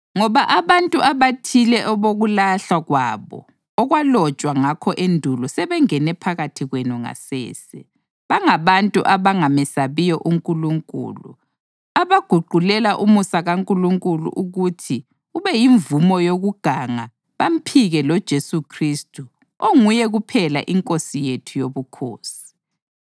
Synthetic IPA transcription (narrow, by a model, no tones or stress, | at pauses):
ŋɔβaʔaβantʼuʔaβatʰilɛʔɔβoɣulaɬaɣwaːβɔ̰ | ɔɣwalɔt͡ʃʼwaŋakʰɔʔendʱulɔsɛβɛŋɛnɛpʰaɣatʰiɣwɛnɔŋa̰sɛ̰ːsɛ | βaŋaβantʼuʔaβaŋamɛsaβijɔʔuŋkʼuluŋkʼṵːlu | aβaɡ̥ʱuɡ͡ǃʱulɛlaʔumusaɣaŋkʼuluŋkʼulṵʔuɣutʰi | uβɛjiɱvumɔjoɣuɡ̥ʱaŋa | βam̩pʰiɣɛlɔd̥ʒ̥ʱesukʰristʰʼu | oŋujɛɣupʰɛla̰ʔiŋkʼosijetʰujoβukʰo̰ːsi̥